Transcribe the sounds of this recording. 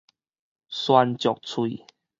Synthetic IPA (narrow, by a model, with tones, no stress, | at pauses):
swa˧nt͡ɕjɔ˨k̚t͡sʰwi˨